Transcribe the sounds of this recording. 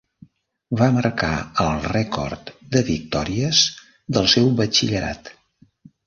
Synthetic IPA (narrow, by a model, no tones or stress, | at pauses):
βaməɾka̰əlˠrɛkɔ̰rt̪d̪əβik̚t̪ɔɾiəz | d̪əlˠsɛwβət͡ʃiʎəɾa̰t̪